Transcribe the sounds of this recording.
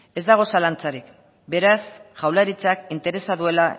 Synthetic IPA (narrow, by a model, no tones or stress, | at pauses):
e̞zd̪aɣ̞o̞salant͡saɾik | be̞ɾasʝawlaɾit͡sakint̪e̞ɾe̞saðue̞la